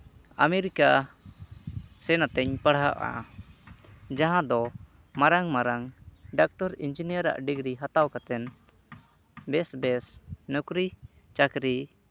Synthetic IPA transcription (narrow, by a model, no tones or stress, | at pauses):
amɛɾika | sɛnat̪ɛɲpaɽɦaʔa̰ | d͡ʒaɦãd̪ɔ | maɾaŋmaɾaŋɖak̚ʈɔɾind͡ʒinijəɾa̰ʔɖiɡɾiɦat̪awkat̪ɛn | bɛsbɛsnɔkɾi | t͡ʃakɾi